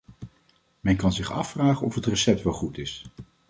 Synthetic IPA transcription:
mɛnkɑnzɪχɑ̰fraːχənɔfɦətrəsɛp̚tʋɛlˠχutɪs

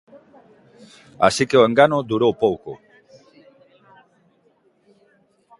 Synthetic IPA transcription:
a̰sikeoeŋɡanod̪uɾowpowko

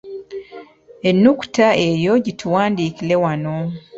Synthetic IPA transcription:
e̞nːuku̥tae̞ɾjo̞ɟitʰuwaːndiːkile̞wano̞

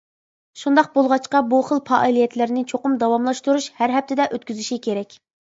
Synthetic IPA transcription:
ʃund̪ɑq̚bolˠʁɑt͡ʃqɑbuχəlˠpʰɑʔɑlˠijɛt̪lɪɾnɪt͡ʃʰoqʊmd̪ɑwɑmlˠɑʃt̪uɾuʃhæɾɦɛp̚t̪ʰɪd̪ɛʔøt̪kʲyzyʃikʲʰeɾɛkʲ

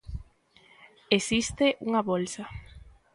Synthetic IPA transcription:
esist̪eʔuŋɐβolsa

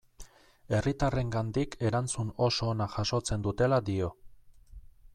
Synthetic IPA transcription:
e̞rit̪are̞ŋɡand̪ike̞ɾant͡suno̞so̞ːnaʝaʃo̞t͡se̞nd̪ut̪e̞lad̪io̞

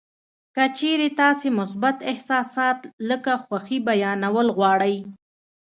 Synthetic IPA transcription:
kət͡ʃeɾet̪ɑsemʊsbat̪ɪhsɑsɑt̪ləkaxwaxibajɑnawəlɣwɑɽəj

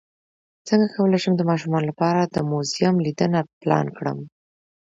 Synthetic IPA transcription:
t͡səŋɡakʰawəlajʃəmd̪əmɑʃumɑnolapɑɾad̪əmozjamlid̪ənaplɑ̰nkɽə̰m

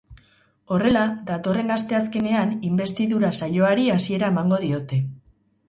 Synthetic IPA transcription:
o̞re̞lad̪at̪o̞re̞nast̪e̞aske̞ne̞animbe̞st̪iðuɾasaʎo̞aɾiasie̞ɾae̞maŋɡo̞ðio̞t̪e̞

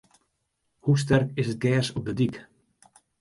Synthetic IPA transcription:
hus̬tɛrkɪsət̚ɡɛːrsɔp̚dədik

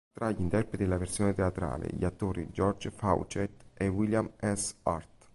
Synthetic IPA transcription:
t̪ɾaʎint̪ɛrpɾet̪ilaversjoːnet̪eat̪ɾa̰ːlḛʎiat̪ːoːɾid͡ʒɔrd͡ʒfawt͡ʃɛt̪ewiljamɛsa̰rt̪

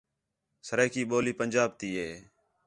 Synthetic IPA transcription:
səɾeːkiːɓoːliːpənd͡ʒaːb̚t̪iːɦeː

